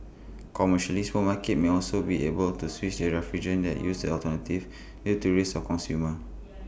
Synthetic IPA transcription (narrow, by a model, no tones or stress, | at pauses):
kʰɔməʃalismomakɛt̚meɔlsobiʔebəltuswit͡ʃdəɹɛfɹid͡ʒə̃ndɛ̰tjusdə̰ɔltənativ | nituɹesɔkɔ̃nsjumə